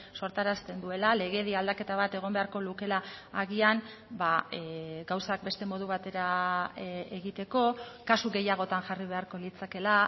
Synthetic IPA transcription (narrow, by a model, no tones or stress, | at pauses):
so̞ɾt̪aɾast̪e̞nd̪ue̞lale̞ɣ̞e̞ðiald̪ake̞t̪aβ̞at̪e̞ɣ̞o̞mbe̞aɾko̞luke̞laːɣian | ba | ɡawsak̚be̞st̪e̞mo̞ð̞uβ̞at̪e̞ɾa | eɣit̪e̞ko̞kasuɣe̞jaɣ̞o̞t̪anʝariβ̞e̞aɾko̞lit͡sake̞la